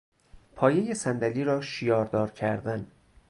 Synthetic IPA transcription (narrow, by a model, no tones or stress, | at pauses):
pʰɒːje̞jesænd̪æliːɾɒːʃijɒːɾd̪ɒːɾcʰæɾd̪æn